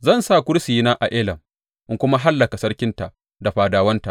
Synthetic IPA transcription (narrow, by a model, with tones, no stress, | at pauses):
zɐ˦˨nsaː˦˨kʷʊ˦ɾsiː˨˦naː˦ʔa˨ʔeː˦lɐ˨m | ʔɪ˦ŋkʷʊ˦ma˦ɦa˦lːɐ˨ka˨sɐ˦ɽkʲɪ˦nta˨ʔ | da˨ɸaː˨daː˨wɐ˦nta̰˨ʔ